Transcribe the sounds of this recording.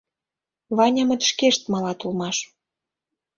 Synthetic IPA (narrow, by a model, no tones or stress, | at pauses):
βɑnʲɑmə̆t̪ʃkeʃt̪mɑlɑt̪ulmɑʃ